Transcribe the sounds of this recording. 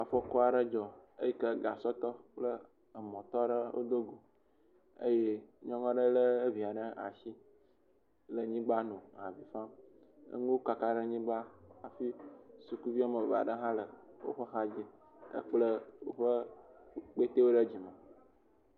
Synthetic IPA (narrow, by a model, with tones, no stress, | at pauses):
a˨fɔ˦kɔ˦a˨ɖə˦d͡ʒɔ˨e˦ji˦kə˦ɡa˨sɔ˦t̪ɔ˦k͡plə˦ | ə˨mɔ̃˨t̪ɔ˦ɖə˦wʔo̰˦d̪o˦ɡu˨ | ə̰˦je˦ɲɔ̃˦ŋɔ̃˦ɖə˦ləː˦vi˨a˨ɖə˦a̰˨si˦ | lə˨ɲĩ˦ɡ͡ba˦nõ˨a̰˨vi˨fã˦ | ə̰˦ŋũ˦wo˦ka˨ka˦ɖə˦ɲĩ˦ɡ͡ba˦a˨fi˦su˨ku˦vi˦a˦mə˨va̰˨ɖə˦ɦã˦lə˨wo̰˦ɸə˦xa˦d͡ʑi˦ | ə̰˦k͡plə˦wo˦ɸə˦ | k͡pe˦t̪e˦wo˦ɖə˦d͡ʑi˨mə˨